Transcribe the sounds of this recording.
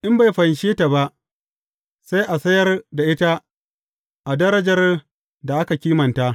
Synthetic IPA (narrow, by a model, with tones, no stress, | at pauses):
ʔɪ˦mba˨jɸɐ˨nʃeː˦ta˨ba˦ʔ | sa˦jʔa˨sɐ˦jɐ˦rda˨ʔɪ˦ta˦ | ʔa˨dɐ˦ɾɐ˦d͡ʒɐ˨r | da˨ʔa˦ka˨kʲiː˦mɐ˨nta˦ʔ